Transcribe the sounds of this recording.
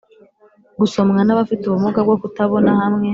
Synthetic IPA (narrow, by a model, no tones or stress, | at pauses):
ɡuso̞mŋanaβafituβumuɡabɡokutaβo̞nahamŋe̞